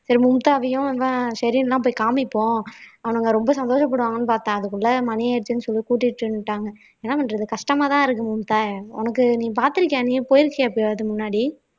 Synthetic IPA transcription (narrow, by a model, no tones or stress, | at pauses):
sɐɾimʊmt̪aːɐʋɐjʊ̃ɪʋːasɐɾɪnlãːp̬oːjkaːmɪpːõːɐʋɐnɐŋɡɐɾɔmbɐsɐnd̪oːʂɐp̬ːɐɽɯʋaːŋɡɐnːɯpaːɾt̪ãːɐðɯkːɯɭːɐmɐnɪjaɪɽɯt͡ʃːɯnːɯsɔlːikuːʈ̬ːɪʈːɯnʈːaːŋɡɐ | eːnːaːpɐɳɾɐðɯkɐʂʈɐmaːt̪ãːɪɾɯk̬ːɯmʊmt̪aːɔ̰nɐkːɯniːp̬aːɾt̪ɪɾɯkːẽːnipoːjɪɾɯkːɐeːpːjɐðɯmʊnːaːɽi